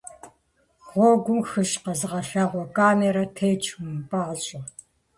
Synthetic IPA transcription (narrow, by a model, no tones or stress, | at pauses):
xʷoːɡʷʊmxɨʃqɐzɨʁɐɬaʁʷɔkʰʼaːmeɾɐtʰeːt͡ʃʰʼmpʼaːʁɕʼɪ